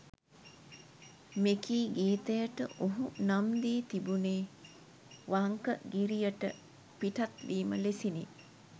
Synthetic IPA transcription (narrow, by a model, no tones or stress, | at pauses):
mekiːɡiːt̪əjəʈəʔoɦunamd̪iːt̪ibuneː | ʋaŋkə̰ɡiɾijəʈə̰ | piʈat̪liːməlesinḛ